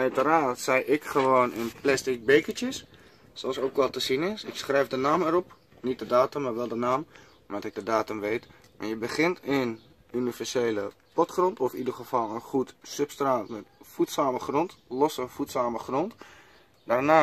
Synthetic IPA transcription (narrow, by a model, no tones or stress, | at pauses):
œɥtəɾaːtsɛjʔɪkχəʋoːnɪnplɛstɪk̚beːkətjəs | soɔlˠsoːkʋɔlˠtəsinɪsɪksχrɛjfdənaːmɛɾɔp | nit̚dədaːtəmːaːrʋɛlˠdənaːm | mʋatɪk̚dədaːtəmʋeːt | ma̰jəbəχɪntʰɪn | ynivɛrseːləpɔtχrɔntɔfidərχəfɔlˠənχutsøpstraːtmɛtfutsaːməχrɔntlɔsəfutsaːməχrɔnt | darnaː